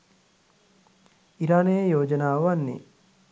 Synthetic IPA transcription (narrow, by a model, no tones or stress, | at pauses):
iɾaːnejjoːd͡ʒɐnaːʋanːḛ